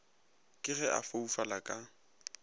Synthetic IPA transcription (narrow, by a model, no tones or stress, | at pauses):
kʼɪɣɛʔa̰foufalakʼa